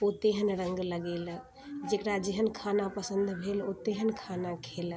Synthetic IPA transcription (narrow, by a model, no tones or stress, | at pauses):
ot̪eɦənɾəŋɡləɡelə | d͡ʒekɾad͡ʒeɦənkʰanapəsənd̪ʱbʱelot̪eɦənkʰanakʰelə